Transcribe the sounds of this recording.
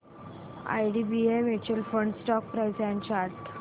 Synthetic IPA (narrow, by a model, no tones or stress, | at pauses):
a̰jɖibiemet͡ɕəlfəɳɖsʈɔk̚pɾajsɛ̃nt͡ɕaɾʈ